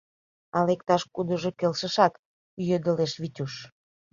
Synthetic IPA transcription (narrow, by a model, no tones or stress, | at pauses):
ɑlek̚t̪ɑʃkud̪ə̆ʒokelʃə̆ʃɑk | jød̪ə̆leʃβitʲuʃ